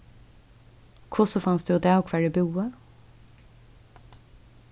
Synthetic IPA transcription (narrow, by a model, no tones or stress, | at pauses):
kʰʊsɔfɑnsd̪ʉːd̪æːɔkʰʋæɖɪbuːə